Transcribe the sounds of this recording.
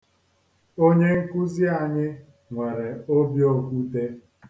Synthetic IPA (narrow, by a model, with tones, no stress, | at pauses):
o˦ɲe˦ŋ̩˦ku˦zi˦a˨ɲɪ˦ | ŋʷe˨ɾe˨o˦bjo˦kʷu˦te˦